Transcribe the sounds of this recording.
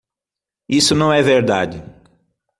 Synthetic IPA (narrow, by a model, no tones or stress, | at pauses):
isʊnɐ̃w̃ɛveɾd̪ad͡ʒɪ